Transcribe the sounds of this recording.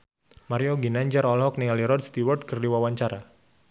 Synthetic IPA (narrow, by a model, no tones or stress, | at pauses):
maɾijoɡinaɲd͡ʒaɾɔlɦɔk̚niŋaliɾɔdst̪iward̚kərdiwawaɲt͡ʃaɾa